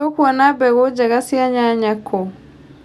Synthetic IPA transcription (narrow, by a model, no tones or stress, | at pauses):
okwanabɛɣod͡ʒaɣasiaɲaɲakʰːo